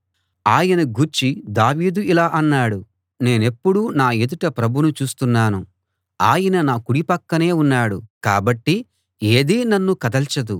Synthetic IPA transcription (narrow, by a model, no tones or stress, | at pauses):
aːjɐnɐɡuɾt͡ʃid̪aːʋiːd̪uilaːʔɐnːaːɽu | ne̞ːne̞pːuɽunaːed̪uʈɐpɾɐbʱunut͡ʃuːst̪unːaːnu | aːjɐnɐnaːkuɽipɐkːɐne̞ːunːaːɽukaːbɐʈːi | eːd̪iːnɐnːukɐd̪ɐlt͡ʃɐd̪u